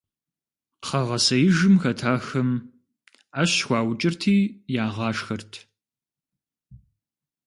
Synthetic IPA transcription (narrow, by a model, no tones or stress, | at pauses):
qɐʁɐsɐjɪʒɨmxɐtʰaːxɐm | aɕxʷɑːwt͡ʃʼɪrtʰiːjaːʁɑːʂxɐrtʰ